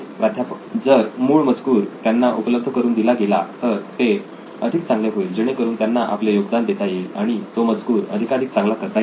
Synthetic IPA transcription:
ɾad̪ʱjap | d͡zəɾmuːɭməd͡zkuːɾt̪janːaʔupələb̚d̪ʱəkəɾuːnd̪ilaɡela̰t̪əɾt̪e | əd̪ʱiːk̚t͡sãŋɡleɦoiːld͡ʑeɽ̃ekəɾuːnt̪janːaʔa̰plejoɡd̪and̪et̪ajeaɽ̃it̪oməd͡zkuːɾə̰d̪ʱikaɽiːk̚t͡sãŋɡlak̪əɾt̪aj

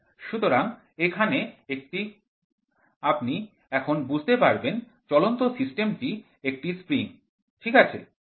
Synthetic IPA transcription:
ʃut̪oɾaŋ | ekʰaneek̚ʈi | apni | ɛkʰonbud͡ʑʱt̪epaɾben | t͡ɕɔlont̪osisʈemʈi | ek̚ʈispɾiŋ | ʈʰikat͡ɕʰḛ

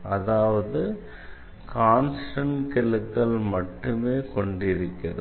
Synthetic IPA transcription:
ɐðaːʋɐðɯ | kʰaːnsʈɐɳkɪlɯkːɐɭmɐʈːɯmeːkɔɳɖɪɾɯkːɐðɯ

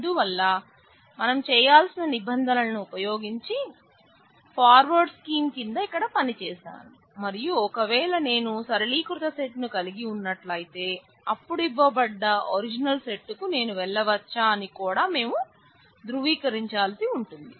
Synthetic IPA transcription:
ɐnd̪uʋɐlːɐ | mɐnɐmt͡ʃɛːjaːlsinɐnibɐnd̪ʱɐnɐlɐnuːpɐjo̞ːɡiɲt͡ʃi | pʰaːɾʋɐɾɖskiːmkind̪ɐikːɐɽɐpɐnit͡ʃɛːʃa̰ːnu | mɐɾijuɔkɐʋɛːlɐne̞ːnusɐɾɐliːkɾut̪ɐseʈnukɐliɡiunːɐʈlɐjit̪e̞ː | ɐpːuɽibɐːbɐɖːɐoɾid͡ʒinɐlseʈːukune̞ːnuʋɛɭːɐʋɐt͡ʃːaːɐnikuːɽaːme̞ːmu | d̪ɾuʋiːkɐɾiɲt͡ʃaːlsiuɳʈund̪i

